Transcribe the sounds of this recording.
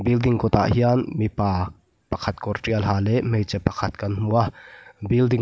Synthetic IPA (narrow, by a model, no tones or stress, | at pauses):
bild̪ɪŋkɔt̪a̰ʔɦianmipaː | pɐkʰɐt̪̚kɔrʈiɐlɦaːlɛʔmejt͡sɛpːɐkʰɐt̪̚kɐnm̥uabildɪŋ